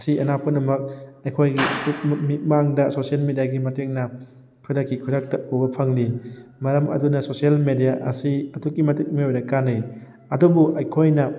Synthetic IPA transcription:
siɐnapɐnɐmɐk̚ɐjkʰojɡiutmit̚maŋdɐsosielmedijaɡimɐteŋnɐ | kʰudakːikʰudak̚tɐobɐpʰɐŋlimɐɾɐmɐ̰dunɐsosielmedijaʔɐ̰siɐtukːimɐtit̚miojɾɐkːanɐj | ɐdubuʔɐjkʰojnɐ

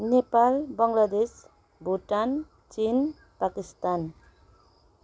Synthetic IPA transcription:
nepalbaŋlad̪es | buʈan | t͡ʃin | pakist̪an

